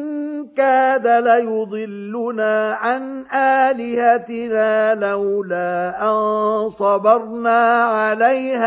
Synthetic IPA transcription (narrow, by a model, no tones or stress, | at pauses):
nkaːðalajʊd̪ˤɨlːʊnaːʕanʔaːlɪhat̪ɪnaːlawlaːʔansˤɑbɑɾˤnaːʕalajha